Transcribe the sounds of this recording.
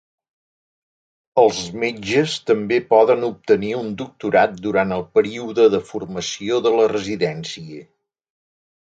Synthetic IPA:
əlˠzmed͡ʒəst̪əmbepɔðənup̚t̪əniund̪uk̚t̪uɾat̪̚d̪uɾant̪əlˠpəɾiuðəðəfurməsioðələrəziðɛnsiə

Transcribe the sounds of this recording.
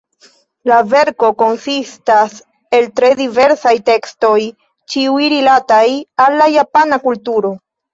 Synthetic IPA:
lave̞ɾko̞ko̞nsistas | e̞ltɾe̞dive̞ɾsajte̞ksto̞j | t͡ʃiujɾilatajalːajapanakultuɾo̞

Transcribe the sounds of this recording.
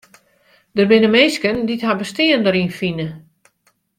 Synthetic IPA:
dərbɪnəmejskənditɦabəstɪəndəɾinfinə

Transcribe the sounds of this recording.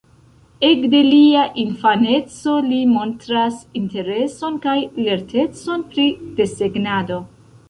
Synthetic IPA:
e̞kde̞liaʔinfane̞t͡so̞limo̞ntɾasinte̞ɾe̞so̞nkajle̞ɾte̞t͡so̞npɾid̥e̞seɡnado̞

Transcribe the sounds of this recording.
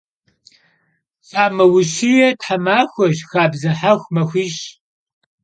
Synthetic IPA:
sʼaːmɐwʊʃijɛtħamaːxʷɔʒxaːbzɐħaxʷmɐxʷiːɕ

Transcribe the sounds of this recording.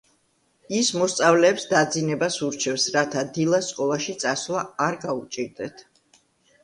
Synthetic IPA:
ismɔst̪sʼavlɛːpsd̪ad̪zinɛbasuɾt͡ʃʰɛfsɾat̪ʰad̪ilˠast̪ʼkʼɔlˠaʃit̪sʼaslˠaːɾɡaut͡ʃʼiɾd̪ɛt̪ʰ

